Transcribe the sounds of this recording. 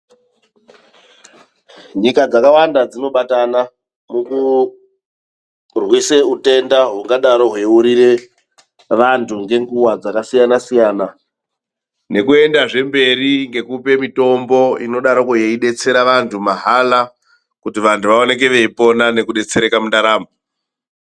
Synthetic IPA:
ɲikad͡zakawandad͡zino̞ɓatana | muku | rwise̞ute̞ndaɦuŋɡaɗaɾo̞ɦweuɾire̞ | ʋantʰuŋɡe̞ŋɡuwad͡zakasijanasijaːna | ne̞kue̞ndaʐe̞mbe̞riŋɡe̞kupe̞mito̞mbo̞ino̞ɗaɾokujeiɗe̞t͡se̞ɾaʋantʰumaɦala | kutiʋantuʋao̞nek̬e̞ʋe̞ipo̞nane̞kuɗe̞t͡seɾe̞kamundaɾaːmo

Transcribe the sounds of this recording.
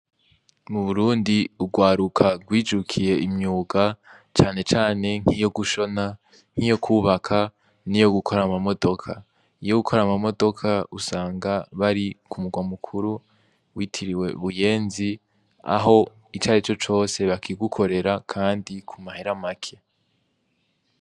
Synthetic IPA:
muβuɾuːndiuɡwaːɾukʰaɡwiːd͡ʒukʰije̞imɲuːɡa | t͡ʃaːne̞t͡ʃaːne̞ŋ̥hijo̞ɡuʃo̞na | ŋ̥ijo̞kʰuːβakʰa | nijo̞ɡukʰo̞ɾamamo̞do̞kʰa | ijoɡukʰo̞ɾamamo̞do̞kʰausaːŋɡaβaɾikʰumuɡwamukʰuɾu | wʔitʰiɾiwe̞βuje̞ːnzi | a̰ɦo̞ | it͡ʃaːɾit͡ʃo̞t͡ʃo̞ːse̞βakʰiɡukʰo̞ɾe̞ɾakʰaːndikʰumaheɾamakʰe̞̥

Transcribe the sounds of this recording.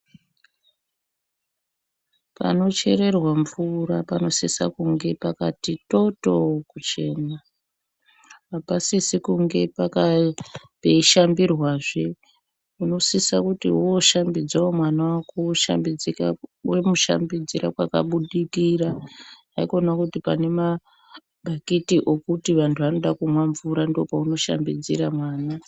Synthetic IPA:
pa̰no̞t͡ʃe̞ɾe̞rwaɱvurapano̞sisa̰kuŋɡe̞pakatito̞to̞kut͡ʃe̞ːna | pasisikuŋɡe̞paka | peiʃambirwaːʐe | uno̞sisa̰kutḭuoʃambid͡zaomwanawakuʃa̰mbid͡zika̰we̞muʃa̰mbid͡ziɾa̰kwa̰ka̰ɓuɗikira | aikonakutipa̰ne̞ma | bʱakitiʔo̞kutiʋantʰuʋano̞ɗakumwaɱvuɾandeopauno̞ʃa̰mbid͡zḭɾamwaːna

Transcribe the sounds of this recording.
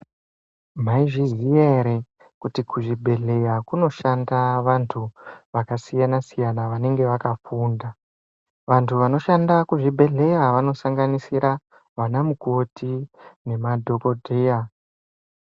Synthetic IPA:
m̤aiʐiɦijeɾe | kutikuʐibʱe̞ɮe̞jakuno̞ʃandaʋantʰuʋakasijanasijanaʋane̞ŋɡe̞ʋakafuːnda | ʋantʰuʋano̞ʃandakuʐibʱe̞ɮe̞jaʋano̞saŋɡanisiɾa | ʋanamuko̞tine̞madʱo̞ko̞dʱeːja

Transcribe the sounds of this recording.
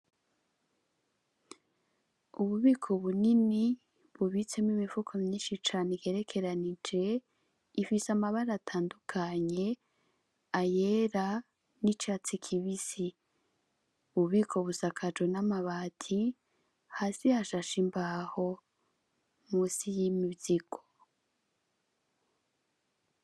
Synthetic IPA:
uβuβikʰo̞βunini | βuβit͡semwimifukʰomɲiːnʃit͡ʃaːneɡe̞ɾe̞kʰe̞ɾanid͡ʒe̞ | ifisamaβaɾatʰaːndukʰaɲe̞ | aje̞ɾa | nit͡ʃat͡sikʰiβisi | βuβiːkʰo̞βusakʰad͡ʒwenamaβaːtʰi | haːsihaʃaʃimbaho̞ | muːsijimiβziɡ̥o̥

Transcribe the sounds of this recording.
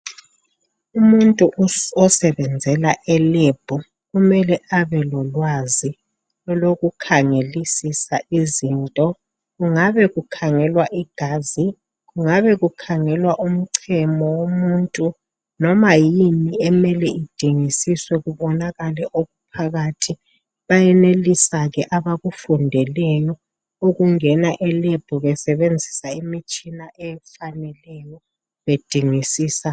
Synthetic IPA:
umuntʼuɔsɛβɛnd͡zʱɛlaʔɛleb̥ʱɔ | ɣumɛlɛʔaβɛlɔlwazi | ɔloɣukʰaŋelisisaʔiziːntʼɔ | ɣuŋaβɛɣukʰaŋɛlwaʔiɡ̥ʱaːzi | ɣuŋaβɛɣukʰaŋɛlwaʔum̩ǀʰɛmɔwomuntʼu | nɔmajiniɛmɛlɛid̥ʱiŋisiswɛɣuβɔnaɣalɛʔoɣupʰaɣatʰi | βajɛnelisaɣɛʔaβaɣufundʱɛlɛjɔ | oɣuŋɛnaʔɛleb̥ʱuβɛsɛβend͡zʱisaimit͡ʃʼinaʔɛfanɛlɛjɔ | βed̥ʱiŋisiːsa

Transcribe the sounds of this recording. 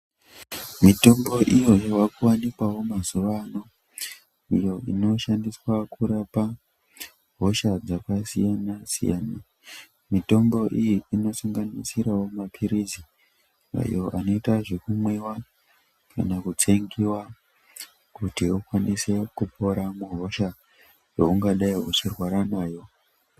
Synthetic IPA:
mito̞mbo̞ʔijo̞jowakuwanikwawo̞mazuʋano̞ | ijo̞ino̞ʃandiswakuɾapa | ɦoʃad͡zakasijanasḭja̰ːna | mito̞mbo̞ʔijiino̞suŋɡanisiɾawo̞mapʰiɾizi | a̰jo̞ʔano̞itaʐekumwewa | kanakut͡se̞ŋɡiwa | kutiukwanise̞kupo̞ɾamuɦo̞ʃa | jouŋɡaɗaiut͡ʃirwaɾanaːjo̞

